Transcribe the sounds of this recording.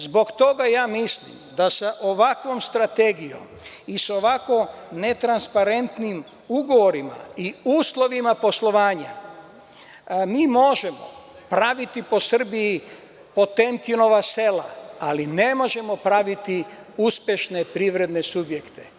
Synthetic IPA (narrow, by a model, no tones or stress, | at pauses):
zbo̞kt̪o̞ɡajaːmislḭmd̪asaʔo̞ʋakʋo̞mst̪ɾat̪e̞ɡijo̰m | iso̞ʋako̞ne̞t̪ɾanspaɾe̞nt̪nim | uɡo̞ʋo̞ɾima̰iuːslˠo̞ʋimapo̞slˠo̞ʋaːɲa̰ | miːmo̞ʒe̞mo̞̰ | pɾaʋit̪ipo̞sr̩biji | po̞t̪e̞nk̪ino̞ʋase̞laaline̞mo̞ʒe̞mo̞pɾaʋit̪iuspje̞ʃne̞pɾiʋɾe̞d̪ne̞subje̞kt̪e